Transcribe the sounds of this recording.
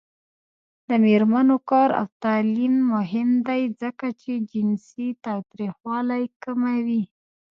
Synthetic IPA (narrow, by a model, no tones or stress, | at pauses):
d̪̥əmeɾmanokɑɾa̰wt̪ɑlimːʊɦɪmd̪ajzəkat͡ʃed͡ʒɪnsit̪ɑt̪ɾixwɑlajkəmawi